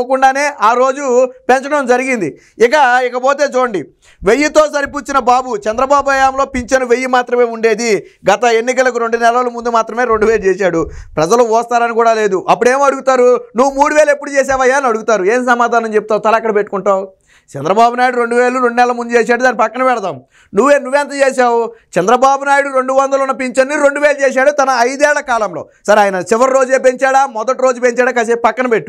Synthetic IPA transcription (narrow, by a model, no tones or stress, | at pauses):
ɐkuɳɖaːne̞ːʔaːɾo̞ːd͡ʒupɛnt͡ʃɐɽɐmd͡ʒɐɾiɡind̪i | ik̬ɐikɐpo̞ːt̪e̞ːt͡ʃuːɽɐɳɖi | ʋejːut̪o̞ːsɐɾipuːt͡ʃːinɐbaːbut͡ʃɛnd̪ɾɐbaːbuɐjaːmlo̞ːpiɲt͡ʃɐnuʋe̞jːumaːt̪ɾɐme̞ːuɳɖe̞ːd̪i | ɡɐt̪ɐe̞nːikɐlɐk̬uɾe̞ɳɖunɛlalɐmund̪umaːt̪ɾɐme̞ːɾoɳɖuʋeːlut͡ʃɛːsaːɽupɾɐd͡ʒɐluɔːst̪aːɾɐnikuːɽaːleːd̪uʔɐpːuɽe̞ːmɐɽuɡut̪aːɾunuʋːumuːɽuʋeːlɐe̞pːuɽut͡ʃeːs̬aːʋɐjːaːnɐɽuɡut̪aːɾueːns̬ɐmaːd̪ʱaːnɐmt͡ʃe̞pu̥t̪aːwt̪ɐlɐɐkːɐɽɐpe̞ʈːu̥kuɳʈaːw | t͡ʃɛnd̪ɾɐbaːbunaːjɽuɾe̞ɳɖuʋeːɭuɾeɳɖunɛlɐlɐmund̪ut͡ʃeːs̬aːɽud̪aːnːipɐkːɐnɐpɛɽɐt̪aːm | nuʋːeːnuʋːɛnt̪ɐt͡ʃeːʃaːwut͡ʃɛnd̪ɾɐbaːbunaːjuɽuɾeɳɖuʋɐnd̪ɐlunːɐpiɲt͡ʃɐnːiɾo̞ɳɖuʋeːlt͡ʃɛːs̬aːɽut̪ɐnɐːjd̪ɛːɭːɐkaːlɐmlo̞ːsɐɾaːjnɐt͡ʃiʋɐɾiɾo̞ːd͡ʒeːp̬eɲt͡ʃaːɽaːmɔd̪ɐʈiɾo̞ːd͡ʒupeɲt͡ʃaːɽaːkɐs̬epɐkːɐnɐpeʈːu̥